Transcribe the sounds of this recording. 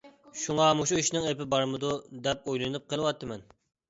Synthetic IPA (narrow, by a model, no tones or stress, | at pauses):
ʃuŋɑmuʃuiʃnɪŋepɪbɑɾmɨd̪ud̪ɛp̚ojlˠɨnɨp̚qʰəlˠɨwɑt̪ʰːɨmɛn